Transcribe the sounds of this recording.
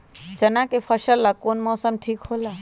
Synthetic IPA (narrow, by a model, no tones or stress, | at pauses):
d͡ʒənakepʰəʃəlːakoːnmɔːsəmʈʰiːkɦoːla